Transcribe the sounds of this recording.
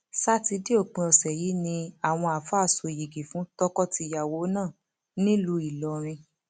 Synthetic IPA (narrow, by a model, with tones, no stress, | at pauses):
sa˦ti˧˦di˦o˦˨k͡pĩ˧ɔ˨sɛ˨ji˨˦nĩ˧a˨w̃ɔ̃˧a˨fa˦˨so˨ji˨ɡi˨fũ˨˦tɔ˦kɔ˦ti˧˦ja˨wo˨˦nãː˦˨ | nĩ˦lu˧i˨lɔ˨ɾ̃ĩ˧